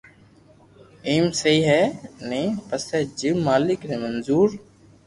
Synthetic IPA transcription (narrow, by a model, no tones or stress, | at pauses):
iːmseiːɦɛːnẽːpəsɛːd͡ʒɪmːaːlɪknẽːmənzuːɾ